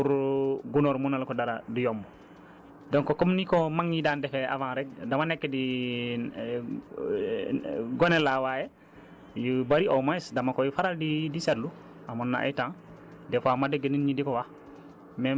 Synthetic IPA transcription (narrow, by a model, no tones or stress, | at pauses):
uɾɡunoɾmunalkodaɾadujomːu | doŋkokɔmnikomaŋjidaːndɛfea̰vãnɾɛk̚damanɛkːɛdi | ɡonelawaje | jubaɾiʔomaɛsdamakojufaɾaldidisedlu | amunːa̰ʔa̰itãŋ | dɛfamadeɡeninɲidikɔwa | me